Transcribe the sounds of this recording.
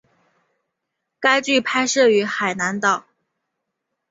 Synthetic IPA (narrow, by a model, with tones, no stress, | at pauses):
ka˥ɪt͡ɕy˥˩pʰa˥ɪʂɤ˥˩y˧˥xa˨˩ɪna˧˥nt̪ɑ˨˩ʊ